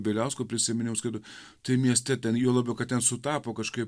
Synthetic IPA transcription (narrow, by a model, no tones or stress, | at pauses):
bʲelʲɛʊskoːpʲɾʲɪsʲɪmʲɪnʲɪmʊskʲɐd̪ʊ | t̪ɐɪmʲiɛsʲt̪ʲɛt̪ʲɛnjuɔlˠɑːbʲokɐttʲɛnsʊt̪ɑːpoːkɐʃkɐɪp